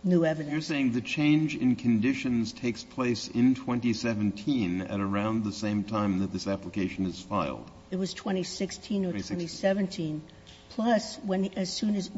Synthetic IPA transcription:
nʉɛvɨjə˞seɪɪ̃ŋðɨt͡ʃʰẽɪ̃nd͡ʒɨ̰̃nkʰɨ̃n̩dɪʃɨ̃nz̥tʰeɪkspʰl̥eɪsɪ̃ntʰw̥ɛ̃ntisɛṽn̩tʰĩnɨ̰ɾə˞ãʊ̃nðəsẽɪ̃mtʰãɪ̃mðɨt̪̚ðɪsæpləkʰeɪʃɨ̃nɨz̥faɪlˠd̥ | ɨt̚wʌz̥tʰw̥ɛ̃ɾ̃isɪkstʰĩnə˞wɛ̃ntisɛvɨ̃ntʰĩn | pʰl̥ʌswə̃nɨz̥sʉ̃nɨz

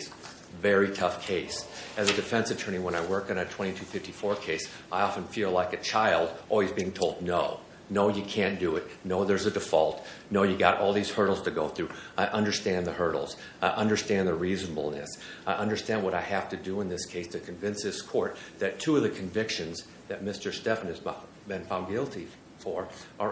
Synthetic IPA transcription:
s | vɛɹitʰʌfkʰeɪsɨzɨdɨfɛ̃nsɨtʰɜ̃˞ɾ̃niwə̃ñaɪwɜ˞kɨ̃nɨtʰw̥ɛ̃ɾ̃itʰʉfɪftifɔɹkʰeɪs | ʔaɪɑfɨ̃n̩filaɪkɨt͡ʃʰaɪlˠdʔɔlˠwizbiɪ̃ŋtʰoʊlˠdⁿnoʊ | noʊjɨkʰæ̃nd̥ɨɪt̚ⁿnoʊðə˞zɨdɨfɔ̰lˠtnoʊjɨɡɑ̰ɾʔɔ̰lˠðiz̥hɜ˞ɾl̩ˠz̥tʰɨɡoʊθɹʉaɪʔʌ̃ndə˞stæ̃nðəhɜ˞ɾl̩ˠz̥ | aɪʔʌ̃ndə˞stæ̃nðəɹiznəbl̩ˠnɨ̰saɪʔʌ̃ndə˞stæ̃nd̚wʌɾaɪhæftɨdɨə̃nðɪskʰeɪstʰɨkʰɨ̃ɱvɪ̃nsɪskʰɔɹt̪̚ðɨtʰuʌvðɨkʰɨ̃ɱvɪkʃɨ̃nz | ðɨt̚mɪstə˞stɛfə̃nɨz | bɨ̃nfãʊ̃nɡɪlˠtʰi | fə˞ʔə˞

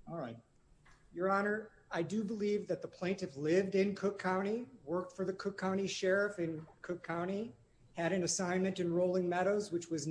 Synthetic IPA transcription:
ɔlˠɹaɪt̚ | jə˞ɑnə˞ | aɪdɨbəlivðɨt̪̚ðəpʰl̥ẽɪ̃ntɨflɪvdɪ̃nkʰʊkʰãʊ̃ɾ̃iwɜ˞k̚tfə˞ðɨkʰʊkʰãʊ̃ɾ̃iʃɛɹɨfɨ̃nkʰʊkʰãʊ̃ɾ̃i | ɨɾɨ̃nɨsãɪ̃nmɨ̃ntɨ̃nɹoʊlˠɪ̃ŋmɛɾoʊzwɨt͡ʃwʌz

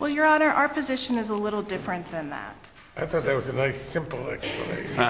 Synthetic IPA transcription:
wʔɛlˠjə˞ɑnə˞ʔa̰ʊə˞pʰɨzɪʃɨ̃nɨzəlɪɾl̩ˠdɪfɹɨ̃nðɨ̃nðæ̰t̚ | ʔaɪθɔt̪̚ðət̚wʌzɨnaɪsɪ̃mpl̩ˠɛ̰ksplə̰nḛɪʃ

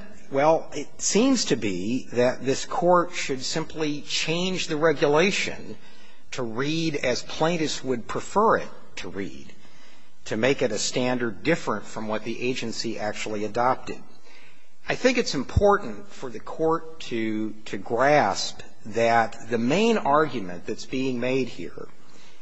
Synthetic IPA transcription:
wɛlˠ | ɪtsĩmz̥tʰɨbiðɨt̪̚ðɪskʰɔɹtʃɨd̥sɪ̃mpʰlit͡ʃʰẽɪ̃nd͡ʒðɨɹɛɡjəleɪʃɨ̰̃n | tʰəɹiɾɨz̥pʰl̥ẽɪ̃ɾɨswɨd̚pʰɹ̥ɨfɜ˞ɪ̰tʰəɹḭd̥̚ | tʰɨmeɪkɨɾɨstæ̃ndə˞ddɪfɹɨ̃ntfɹʌ̃mwʌt̪̚ðiʔeɪd͡ʒɨ̃nsiʔæk̚t͡ʃul̩ˠiɨdɑp̚tɨ̰d | aɪθɪ̃ŋkɨtsɨ̃m̩pʰɔɹʔn̩tfə˞ðɨkʰɔɹtʰɨ | ɾɨɡɹæsp | ðɨt̪̚ðɨmẽɪ̃nɑɹɡjɨmɨ̰̃nðɨtsb̥iɪ̃ŋmeɪd̚hḭɹ

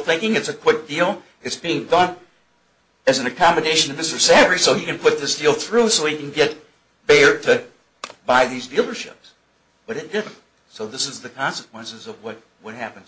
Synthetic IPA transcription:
θɪ̃ŋkɪ̃ŋɨtsɨkʰw̥ɪk̚d̥ilˠ | ɨtsb̥iɪ̃ŋdʌ̃n | ɨzn̩ɨkʰɑmɨdeɪʃɨ̃ntʰɨmɪstə˞sævɹisoʊikɨ̃npʰʊt̪̚ðɪsd̥ilˠθɹusoʊhikɨ̃n̩ɡɛt̚ | b̥ɛɹɾɨ | b̥aɪðizdilˠə˞ʃɪ̰ps | b̥ʌɾɨt̚d̥ɪdⁿn̩t̚ | soʊðɪsɨzðɨkʰɑ̃nsəkʰw̥ɛ̃nsɨzʌvwʌt̚ | wʌt̚hæpn̩z

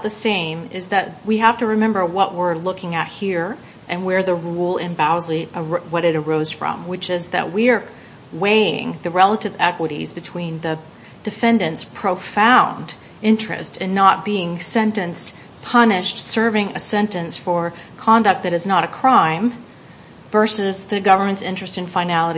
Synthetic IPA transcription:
ðɨsẽɪ̃mɪzðɨt̚wiɦæftɨɹɨmɛ̃mbə˞wʌʔwɪɹlʊkɪ̃ŋɨt̚hiɹ | ʔɨ̃nwə˞ðɨɹulˠɪ̃nbaʊzliəwʌɾɨɾə˞oʊz̥fɹʌ̰̃mwɨt͡ʃɪzðɨ̰ʔ̚wiə˞ | weɪɪ̰̃ŋðɨɹɛlˠəɾɨvɛkwəɾḭzbɨtʰw̥ĩnðɨ | d̥ɨfɛ̃ndɨ̃ntspʰɹ̥oʊfãʊ̃nd | ɪ̃nt͡ʃɹ̥ɨ̰stʰɨ̃nːət̚b̥iɪ̃ŋsɛ̃ntɨ̃ns | pʰʌnɪʃtsɜ˞vɪ̃ŋɨsɛ̃ntɨ̃nsfə˞kʰɑ̃ndʌk̚t̪̚ðɨɾɨznəɾɨkʰɹ̥ãɪ̃ɱ | vɜ˞sɨzðɨɡʌvə˞mɨ̃ntsɪ̃nt͡ʃɹ̥ɨstɨ̃nfaɪnælˠəɾ

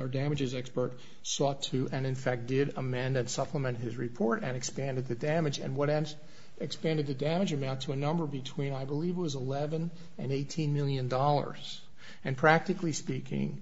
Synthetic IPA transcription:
ə˞dæmɨd͡ʒɨzɛkspə˞t̚ | sɔtʰʉʔɨ̃nɨ̃nfæk̚d̥ɪɾəmɛ̃ndɨ̃nsʌpʰləmɛ̃nt̚ɦɪzɹɨpʰɔɹɾɨ̰̃nɨkspæ̃ndɨd̪̚ðɨdæmɨd͡ʒɨ̰̃nwʌɾɛ̃ns | ɨkspæ̃ndɨd̪̚ðɨdæmɨd͡ʒɨmãʊ̃ntʰəɨnʌ̃mbə˞bɨtʰw̥ĩnaɪbəlivət̚wʌzəlɛvɨ̃n | ɨ̰̃neɪtʰĩnmɪlˠjɨ̃ndɔlˠə̰˞z̥ | ɨ̃npʰɹ̥æk̚tɨklispikɪ̰̃ŋ

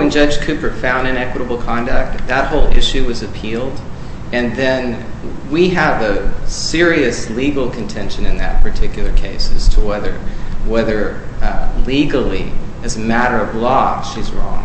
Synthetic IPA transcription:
wɨ̃nd͡ʒʌ̥ʒ̥kʰʉpə˞tfãʊ̃ndɨ̃nɛkwəɾəbl̩ˠkʰɑ̃ndɨk̚t̚ðət̚hoʊlˠɪ̰ʃʉwʌzɨpʰilˠd | ɨ̃nðɨ̃nwiəvəsɪɹiɨsliɡl̩ˠkʰɨ̃ntʰɛ̃nʃɨ̃nɨ̃nðɨ̰t̚pʰə˞tʰɪkjl̩ˠə˞kʰeɪsɨz̥tʰəwɛðə̰˞wɛðə˞ | liɡl̩ˠḭɨzɨmæɾə˞ʌvlɔʃizɹɔ̰̃ŋ

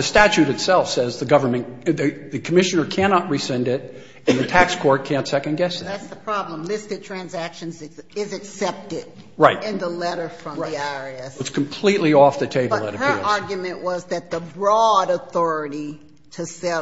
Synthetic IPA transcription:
ɨstæt͡ʃʉɾɨtsɛlˠfsɛzðɨɡʌvə˞mɨ̃nðɨðɨkʰəmɪʃɨnə˞kʰænɑʔ̚ɹisɛ̃ndɪɾ | ɨ̃nðɨtʰækskʰɔɹt̚kʰæ̃ntsɛkɨ̃nɡɛsðɨðætsðəpʰɹ̥ɑblə̃mlɪstɨd̚tʰɹ̥æ̃nzækʃɨ̃nzɪzɨksɛp̚tɪɾ | ɹaɪt̚ɪ̃nðəlɛɾə˞fɹʌ̃miaɹɛsɨtskʰmpʰl̥iʔˡliɔfðɨtʰeɪbʌɨ̰ɾɨhə˞ɑɹɡjɨmɨ̃nʔwʌzðɨt̪̚ðəbɹɔɾəθɔɹɨɾi | ɾɨsɛ

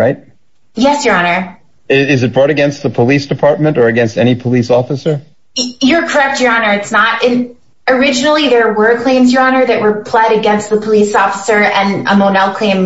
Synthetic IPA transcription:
ɹaɪt̚ | jɛsjə˞ɑnə˞ | ɪɪzɨt̚b̥ɹɔɾɨɡɛ̃nst̪̚ðəpʰəlisd̥ɨpʰɑɹt̚mɨ̃ntə˞ɨɡɛ̃nstɛñipʰəlisɔfəsə˞ | jə˞kʰə˞ɛk̚t͡ʃə˞ɑnə˞ɨtsnətɪ̃n | ə˞ɪd͡ʒɨnl̩ˠiðə˞wə˞kʰl̥ẽɪ̃mzjə˞ɑnə˞ðɨʔ̚wə˞pʰl̥ɛɾɨɡɛ̃nst̪̚ðəpʰəlisɔfəsə˞ɨ̃nə̰moʊnɛlˠkʰl̥ẽɪ̃m

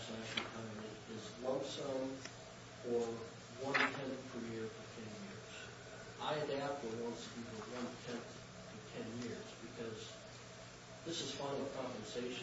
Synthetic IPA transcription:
sæʃ̩kʰʌ̃ni | ɪzlʌsõm | fə˞ | wʌ̃ntʰɛ̃nθpʰə˞jɪɹɾʰə̥tʰɛ̃njɪɹz̥ | ʔaɪdæp̚əwɑ̃nsɨbivə˞wʌ̃ntʰɛ̃nθ | tʰɨtʰɛ̃njɪɹzbɨkʰʌz | ðɪsɨz̥fãɪ̃nl̩ˠkʰɹ̥ɑ̃mpɨ̃nseɪʃ

